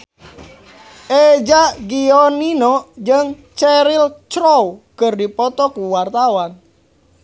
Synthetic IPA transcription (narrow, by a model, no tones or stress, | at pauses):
ʔed͡ʒaɡiɔninɔd͡ʒəŋ | t͡ʃɛɾilt͡ʃɾɔwkɨrdipɔt̪ɔkuwart̪awan